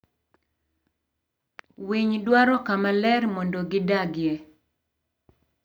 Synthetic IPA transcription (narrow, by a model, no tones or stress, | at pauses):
wiɲdwaɾɔkamalɛɾmɔndɔɡɪdaɡjɛ